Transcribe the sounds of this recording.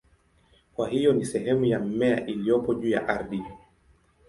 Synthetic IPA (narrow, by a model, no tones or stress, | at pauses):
kwahijɔnisɛɦɛmujam̩mɛaʔilijɔpɔʄuːja̰ʔaɾɗi